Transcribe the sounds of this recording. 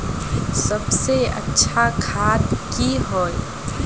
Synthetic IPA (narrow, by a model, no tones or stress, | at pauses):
sɐbseɐ̰tːʃʰakʰaːt̪kiɦoːe